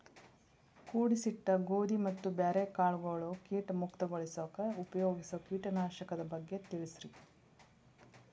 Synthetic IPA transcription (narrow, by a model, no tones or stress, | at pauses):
kuːɽisiʈ̪ːɐɡoːd̪imɐt̪ːubaɾekaːɭɡoːɭoːkiːʈɐmukt̪ɐɡoɭisoːkɐupɐjoːɡisɐkiːʈɐnaːʃɐkɐd̪ɐbɐɡːe̞t̪iɭisɾi